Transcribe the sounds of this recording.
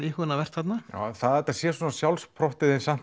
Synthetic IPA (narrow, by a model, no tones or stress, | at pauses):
ihʏnavɛr̥t̪hat̪naja̰ːθaðɛɾt̪asjɛswɔːnasjawlspʰɾɔht̪ɪðɛnsan̥